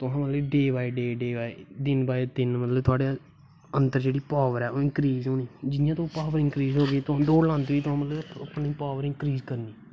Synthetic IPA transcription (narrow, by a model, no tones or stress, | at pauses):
t̪ʊɦãːmət̪ləbɖeːbaːiːɖeːɖeːbaːiːd̪ɪnbaːiːt̪ɪnmət̪ləbt̪ʰʊaːɽeː | ənt̪əɾd͡ʒeːɽiːpaːʋəɾɛːoːɪ̃ŋkɾiːzɦoːniːd͡ʒɪnɪjãːt̪õːpaːʋəɾɪ̃ŋkɾiːzɦoːɡeːt̪ʊɦãːd̪oːɽlãːnd̪iːt̪ʊɦãːmət̪ləbəpɳiːpaːʋəɾɪ̃ŋkɾiːzkəɾniː